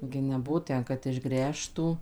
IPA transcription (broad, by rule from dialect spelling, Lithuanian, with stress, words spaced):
ɡʲɪ nʲɛˈbʊʋoː ˈtʲɛn kɐt ɪʒˈɡrʲæːʃtuː